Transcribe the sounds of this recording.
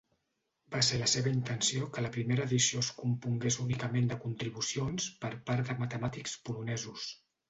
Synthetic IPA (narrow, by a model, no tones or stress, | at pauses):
baseləseβəint̪ənsiokələpɾimeɾəːðisioskumpuŋɡesunikəmend̪əkunt̪ɾiβ̞usionspəɾpaɾðəmət̪əmat̪ikspulunɛzus